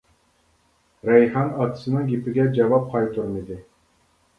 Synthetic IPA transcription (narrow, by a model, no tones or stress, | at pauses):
ɾɛjhɑnɑt̪sɨnɯŋɡʲipɪɡʲɛd͡ʒɑvɑp̚qʰɑjt̪ʰuɾmid̪ɪ